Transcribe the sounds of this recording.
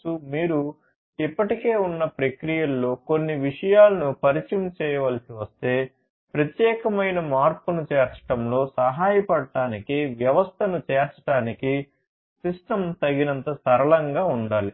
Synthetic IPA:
umiːɾu | ipːɐʈike̞ːunːɐpɾɐkɾijɐlːo̞ːkonːiʋiʂɐjaːlɐnupɐɾit͡ʃimt͡ʃɛːjɐʋɐlɐsiʋɐst̪e̞ː | pɾɐt̪jɛːkɐmɐjnɐmaːɾpunut͡ʃɛːɾt͡ʃɐ̥ʈɐmlo̞ːsɐɦaːjɐpɐɽɐʈːaːnikiʋjɐʋɐst̪ʰɐnut͡ʃɛːɾt͡ʃɐ̥ʈaːniki | sisʈɐmt̪ɐɡinɐnt̪ɐsɐɾɐlɐŋɡaːuɳɖaːli

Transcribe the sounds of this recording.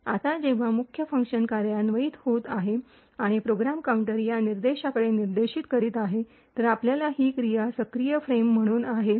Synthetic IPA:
a̰t̪ad͡ʑeʋ̤amukʰjəfəŋkʂənkaɾjanʋəiːt̪hot̪aɦe | aɽ̃ipɾoɡɾamkauɳʈəɾjaniɾd̪eɕakəɽeniɾd̪eɕiːt̪kəɾiːt̪aɦe | t̪əɾapljalaɦiːkɾijasəkɾijəfɾemːəɽ̃uːnaɦe

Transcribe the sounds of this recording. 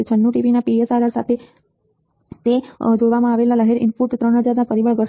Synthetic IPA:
t͡ʃʰənːuʈiʋinapiesaɾaɾsa̰t̪ʰe | t̪ed͡ʒoɽʋamãaʋelaləɦeɾʔɪ̰npuʈt̪ɾəɳɦəd͡ʒaɾnapəɾiʋəɭɡəɾ

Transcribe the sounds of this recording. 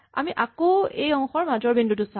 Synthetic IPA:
a̰miʔakoejɔŋxɔɹmazɔɹbindut̬ʊsa

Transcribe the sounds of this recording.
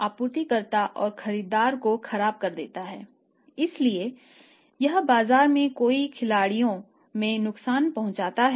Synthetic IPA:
aːpuːɾt̪ikɐɾt̪aʔɔːɾxɐɾiːd̪aːɾkoxɐɾaːb̚kɐɾd̪ḛːt̪aɦɛː | ɪslie | jɐɦbaːzaːɾmẽkoːikʰɪlaːɽijõ | mẽnʊksaːnpɐɦʊ̃nt͡ʃaːt̪aɦɛ

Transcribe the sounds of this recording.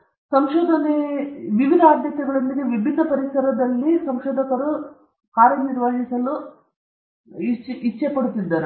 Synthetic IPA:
sɐmʃɔːd̪ʱɐneʋiʋid̪ʱaːd̪jɐt̪ɐɡɐɭɐmːiɡeʋibʱid̪ʱɐpɐɾisɐɾɐd̪ɐlːisɐmʃɔːd̪ʱɐkɐɾu | kaːɾjɐniɾʋaːʃisɐlu | iit͡ʃːepɐɽut̪ːid̪ːaːɾe

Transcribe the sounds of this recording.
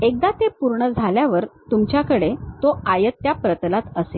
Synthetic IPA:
ek̚d̪at̪epuɾɳəd͡zʱaljaʋəɾt̪umt͡ɕjakəɽet̪oajət̪ːjapɾət̪lat̪əse

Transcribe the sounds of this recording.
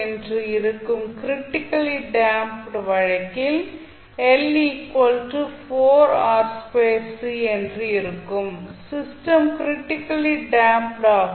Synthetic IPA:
ɛndrɯɪɾɯkːɯmkɾɪʈːɪkːɐliɖaːmpɖʋɐɻɐkːɪl | ɛlikʋɐɔlʈɯfoːɾaːɾspeːsɛndrɯɪɾɯkːɯmsɪsʈɐmkɪɾɪʈːɪkːɐliɖaːmpʈaː

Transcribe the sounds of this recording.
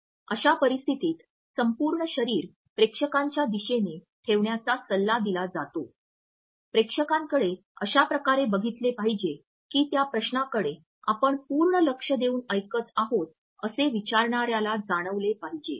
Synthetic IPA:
əɕapəɾist̪ʰit̪iːt̪ | səmpuːɾɳəɕəɾiːɾ | pɾekʂəkaɲt͡ɕjad̪iɕene | t̪ʰeʋɳjat͡sasəlːad̪ilad͡zat̪o | pɾekʂəkaŋkəɽe | əɕapɾəkaɾebəɡʱit̪lepaɦid͡ʑe | kiːt̪japɾəɕnakəɽe | a̰pəɳpuɾɳələkʂəd̪euːnəjkət̪aɦot̪̚ | əseʋit͡ɕaɾɳaɾjalad͡zaɽ̃əʋlepaɦid͡ʑḛ

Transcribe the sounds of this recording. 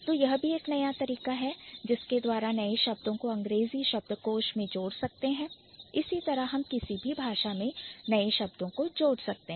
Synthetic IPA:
t̪oːjɐɦbʱieːknɐjat̪ɐɾiːkaɦɛd͡ʒɪsked̪waːɾanɐeʃɐb̚d̪õkoɐ̃ŋɡɾeːziʃɐb̚d̪əkoːʃmẽd͡ʒoːɽsɐk̚t̪eɦɛ̃ː | ɪsit̪ɐɾəɦɦɐmkɪsibʱibʱaːʃamẽnɐeʃɐbd̪õkod͡ʒoːɽsɐk̚t̪eɦ

